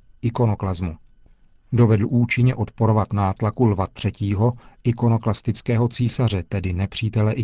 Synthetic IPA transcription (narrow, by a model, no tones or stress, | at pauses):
ʔɪko̞no̞klazmu | do̞vɛdl̩ʔuːt͡ʃɪɲɛʔo̞t̪po̞ɾo̞vat̪naːt̪lakulvat̪r̝̥ɛciːɦo̞ʔɪko̞no̞klast̪ɪt͡skɛːɦo̞t͡siːsar̝ɛt̪ɛdɪnɛpr̝̥iːt̪ɛlɛʔɪ